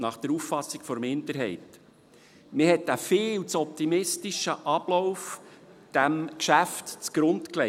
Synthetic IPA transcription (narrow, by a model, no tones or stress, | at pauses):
nɑχd̥əɾufːɑsːikfɔɾmɪndəɾɦɛɪt | mɪhɛtæfɪːlt͡sɔp̚t̪imɪstiʃəʔɑb̥lɔwf | d̥æmkʃæftt͡sɡ̥ɾʊntklɛ